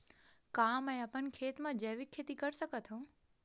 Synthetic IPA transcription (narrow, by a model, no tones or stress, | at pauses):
kaːmə̃əpənkʰeːt̪mãd͡ʒəɦʋikʰːeːt̪ikəɾsəkət̪ʰõː